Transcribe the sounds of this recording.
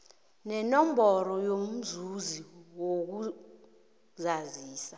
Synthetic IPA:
nɛnɔmbʱɔɾɔjom̩zuziwok̬u | zaziːsa

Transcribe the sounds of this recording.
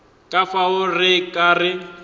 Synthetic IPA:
kʼafaʊrɪkʼaːrɪ

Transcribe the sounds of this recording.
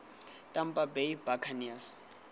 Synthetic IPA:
tʼampʼabejbakʰanias

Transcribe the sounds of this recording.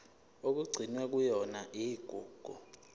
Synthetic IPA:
ok̬uɡ͡ǀʱinwɛk̬ujɔnaʔiɡ̥ʱuːɡ̥ʱu

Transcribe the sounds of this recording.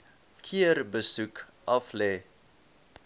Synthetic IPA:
kʰiərbəsuk | ʔɐflɛː

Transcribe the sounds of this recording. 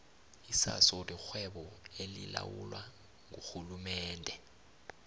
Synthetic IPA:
isasɔdik͡xʰwɛɓɔelḭla̰wulwa | ŋuxulumɛːndʱɛ

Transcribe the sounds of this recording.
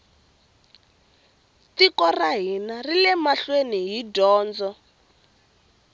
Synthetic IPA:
tikɔraɦinarilɛmaɬweniɦidɔːnd͡zɔ

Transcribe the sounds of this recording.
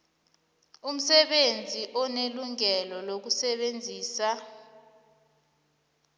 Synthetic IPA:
um̩sɛɓend͡zʱiʔɔneluŋɛlɔlok̬usɛɓend͡zʱiːsa

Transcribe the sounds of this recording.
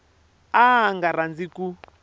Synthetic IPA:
aŋɡaɾand͡ziku

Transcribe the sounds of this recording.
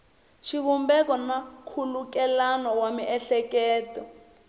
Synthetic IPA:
ʃiβumbɛkɔnakʰuluk̬ɛlanɔwamiʔɛɬɛkɛːtɔ

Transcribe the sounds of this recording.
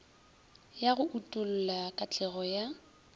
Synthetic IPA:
jaɣʊʔutʼʊl̩lakʼat͡ɬʼɛɣɔja

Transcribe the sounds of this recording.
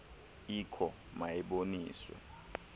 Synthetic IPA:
ikʰɔ | majɛɓonḭːswɛ̰

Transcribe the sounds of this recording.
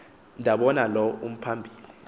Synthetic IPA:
ndʱaɓɔnalɔum̩pʰambʱiːli

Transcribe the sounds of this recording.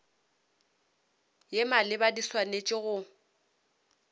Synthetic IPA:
jemalɪbadiswanet͡ʃʼɪɣʊ

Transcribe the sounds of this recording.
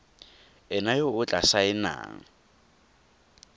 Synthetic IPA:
ɪnajoʊt͡ɬʼasaɪna̰ːŋ̩

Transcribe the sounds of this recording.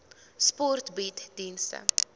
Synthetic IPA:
spɔrtbitd̥instə̰

